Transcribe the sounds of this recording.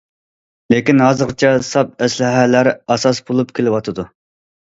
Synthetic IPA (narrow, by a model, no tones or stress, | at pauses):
lekʲinɦɑːzɨqt͡ʃʰɛsɑp̚ɛslɪɦælæɾɑsɑsbolˠupkʲʰelɪwɑt̪ʰɨd̪u